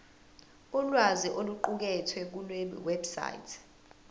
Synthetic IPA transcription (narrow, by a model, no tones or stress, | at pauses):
ulwaziʔoluǃuk̬ɛtʰwɛk̬ulweɓḭwebsa̰jtʰ